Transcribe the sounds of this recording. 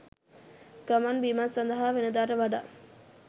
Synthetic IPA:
ɡ̥ɐmanbimasɐnd̪ɐɦaːʋenəd̪aːɾəʋaɖa

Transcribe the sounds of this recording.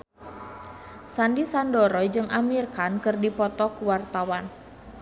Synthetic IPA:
sandisandɔɾɔjd͡ʒɨŋʔamirkankɨrdipɔt̪ɔkuwart̪awan

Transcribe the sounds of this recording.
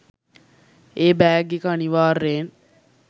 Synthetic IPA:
eːbæːɡekəaniʋaːrːeːn

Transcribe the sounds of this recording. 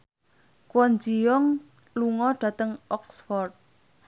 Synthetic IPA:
kwɔnd͡ʒijɔŋ | luŋɔɖ̥ä̤t̪əŋʔɔksfɔrt̪̚

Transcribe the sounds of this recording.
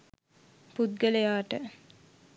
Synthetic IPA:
pud̪̚ɡələjaːʈə

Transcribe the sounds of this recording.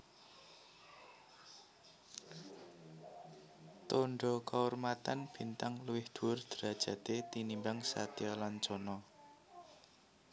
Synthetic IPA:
t̪oɳɖɔkaurmat̪anb̥i̤nt̪aŋluwɪhd̪̥ṳʊrd̪̥ɾa̤d̥ʒ̥ä̤t̪et̪inimbaŋsa̰t̪ialant͡ʃɔnɔ

